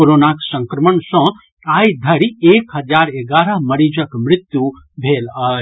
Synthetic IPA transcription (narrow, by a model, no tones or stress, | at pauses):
oɾonaksə̃ŋkɾəmənsə̃ | ajd̪ʱəɾiekɦəd͡ʒaɾeɡaɾəɦməɾid͡ʒəkmɾit̪ju | bʱelə